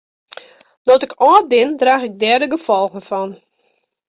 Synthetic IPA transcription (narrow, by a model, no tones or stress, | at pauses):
dɔtɪkʰɔːt̚bɪndraːxɪɡ̚dɛrdəɡəfɔlˠɣən̩fɔn